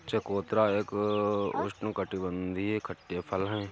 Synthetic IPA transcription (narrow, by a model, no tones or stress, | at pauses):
t͡ʃekoːt̪ɾaːeːkʊ̰ʃʈnkəʈibə̃nd̪ʱiɦekʰəʈːepʰəlɦɛ̃ː